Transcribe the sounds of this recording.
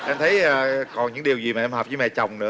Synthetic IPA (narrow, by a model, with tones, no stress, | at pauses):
ʔɛ˧mt̪ʰə˨˦jʔəː˨˩kɔ˨˩nɲɨ̰˧˥ŋɗi˨˩əwzi˨˩maː˨˩ɛ˧mhɔː˨˩p̚zəː˨˦mɛ̰˧˨˩t͡ɕa˨˩wŋ͡mnɨ̰˧˥